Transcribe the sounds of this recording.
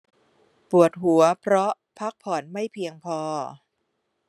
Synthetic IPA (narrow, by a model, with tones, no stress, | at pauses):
pu˨˩ət̪̚ɦu˩˦ɐpʰɾɔ˦˥ | pʰa˦˥k̚pʰɔː˨˩˦nma˥˩jpʰi˧əŋpʰɔː˧